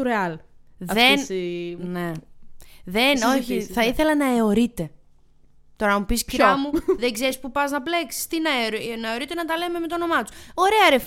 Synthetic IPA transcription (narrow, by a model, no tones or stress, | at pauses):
ɾeɐlðenne | ðenoçiθɐiθe̞lɐnɐeo̞ɾit̪e̞ | t̪o̞ɾɐmupisciɾɐmuðeɡze̞ɾispupɐznɐple̞ksi̥st̪inɐɾnɐeo̞ɾit̪e̞nɐt̪ɐle̞me̞me̞t̪ono̞mɐt̪u̥so̞ɾe̞ɐɾef